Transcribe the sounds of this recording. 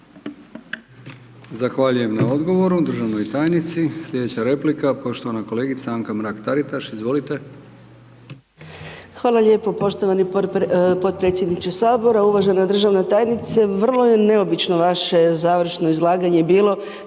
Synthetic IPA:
zaxʋaʎuje̞mnao̞d̪ɡo̞ʋo̞ɾud̪r̩ʒaʋnojt̪aːjnit̪sisʎʲe̞d̪et͡ɕaɾe̞plikapo̞ʃt̪oʋanako̞le̞ːɡit̪saaŋkamɾaːkt̪aɾit̪aʃizʋo̞lit̪e̞ | xʋaːlˠaʎe̞ːpo̞po̞ʃt̪o̞ʋanipo̞t̪̚pɾet̪sʲjed̪nit͡ʃesaːbo̞ɾauʋaʒenad̪r̩ʒaʋnat̪aːjnit̪seʋr̩lˠo̞jene̞o̞bit͡ʃno̞ʋaʃe̞zaːʋr̩ʃnoizlˠaːɡaɲebiːlˠo̞

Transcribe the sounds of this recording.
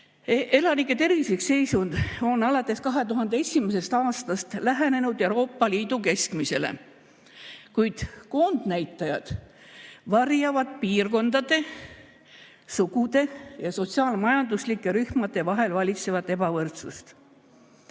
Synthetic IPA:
e̞lɑnikːˑe̞t̪e̞ɾviseksːe̞jsund̪̥o̞nːɑlɑt̪ːˑe̞skɑɦe̞t̪uɦɑnd̪ee̞simese̞st̪ɑːst̪ɑst̪læɦæne̞nud̪e̞uɾo̞ːpːˑɑliːd̪uke̞skmise̞lḛ | kujd̪̥ko̞nd̪̥næjt̪ːˑɑjɑd̪̥ | vɑrjɑvɑd̪̥̚piːrko̞nd̪̥ɑd̪̥e̞ | suɡud̪̥e̞jɑso̞t̪siɑːlmɑjɑnd̪̥uslikːˑeɾyhmɑd̪e̞vɑɦe̞lvɑlʲit̪se̞vɑt̪ˑːe̞b̥ɑvɤrt̪sust̪

